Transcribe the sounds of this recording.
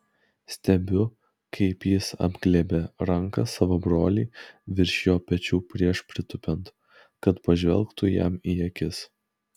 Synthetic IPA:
sʲt̪ʲɛbʲʊ | kʰɐɪpjɪsɐ̰bʲɡlʲeːbʲeɾɐŋkɐsɑːʋoːbɾoːlʲiːʋʲɪɾʲʃʲjoːpʲɛt͡ʃʲuːpʲɾʲiɛʃpʲɾʲɪt̪ʊpʲɛnt̪ | kɐt̪pɐʒʲʋʲɛ̰lˠˑkt̪ʊjɛ̰miːjɛkʲɪs

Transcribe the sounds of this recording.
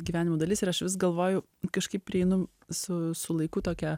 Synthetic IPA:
ɡʲiʋʲæːnʲɪmoːd̪ɐlʲɪsɪɾɐʃʋʲɪs̬ɡɐlˠʋoːjʊ | kɐʃkɐɪp̚pʲːɾʲɪɛɪnʊ | sʊsʊlˠɐɪkʊt̪oːkʲɛ

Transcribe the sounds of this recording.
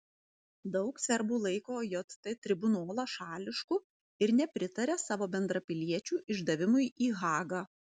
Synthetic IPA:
d̪ɒʊksʲɛɾbuːlˠɐɪkoːjot̪t̪ɐt̪ʲɾʲɪbʊnoːlˠɐʃɑːlʲɪʃkʊ | ɪɾnʲɛpʲɾʲɪt̪ɐɾʲɛsɑːʋoːbʲɛnd̪ɾɐpʲɪlʲiɛt͡ʃʲuːʔɪʒd̪ɐʋʲɪmʊɪiːɣɑːɡɑ

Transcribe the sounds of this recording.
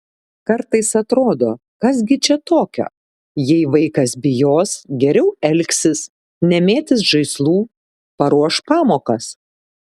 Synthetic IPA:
kɐɾt̪ɐɪsɐt̪ɾoːd̪oː | kɐsɡʲɪt͡ʃʲɛt̪oːkʲo̰ː | jɛɪʋɐɪkɐsbʲɪjoːsɡʲɛɾʲɛʊɛlʲksʲɪs | nʲɛmʲeːt̪ʲɪs̬ʒɐɪslˠuː | pɐɾuɔʃpɑːmoːkɐs

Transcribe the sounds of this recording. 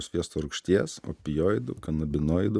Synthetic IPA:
sʲʋʲiɛst̪oːɾʊkʃʲt̪ʲiɛso̰ːpʲɪjoːɪd̪ʊkɐnɐbʲɪnoːjd̪ʊ

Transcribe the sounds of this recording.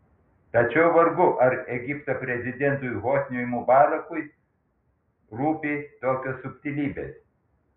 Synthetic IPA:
t̪ɐt͡ʃʲɛʊʋɐɾɡʊʔɐɾɛɡʲipt̪opʲɾʲɛzʲɪd̪ʲɛnt̪ujɦoːsʲnʲojmubɑːlɐkʊj | ɾuːpʲit̪oːkʲosːʊpʲt̪ʲilʲiːbʲḛs

